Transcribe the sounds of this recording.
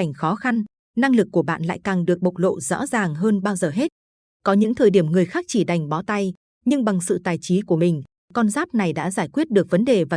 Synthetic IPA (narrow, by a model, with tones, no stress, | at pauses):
jŋ̟xɔ˨˦xa˧n | na˧ŋlɨ˨˩kːu˧˩əɓa̰ː˧˨nla̰ː˧˨jkaː˨˩ŋɗɨ˨˩ək̚ɓə˨˩wk͡p̚lo̰˧˨zɔ̰˧˥zaː˨˩ŋɦəː˧nɓaː˧wzəː˨˩ɦe˦˥t̚ | kɔ˨˦ɲɨ̰˧˥ŋt̪ʰəː˨˩jɗi˧˩əmŋɨ˨˩əjxaː˦˥k̚t͡ɕi˧˩ɗa˨˩jŋ̟ɓɔ˨˦t̪a˧j | ɲɨ˧ŋɓa˨˩ŋsɨ̰˧˨t̪aː˨˩jt͡ɕi˨˦ku˧˩əmï˨˩ŋ̟ | kɔ˧nzaː˦˥p̚na˨˩jɗa̰ː˧˥zaː˧˩jkwi˦˥ət̚ɗɨ˨˩ək̚və˨˦nɗe˨˩vaː˨˩